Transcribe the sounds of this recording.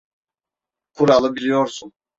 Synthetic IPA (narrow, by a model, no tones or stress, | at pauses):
kʰuɾalˠɯbilʲijoɾsun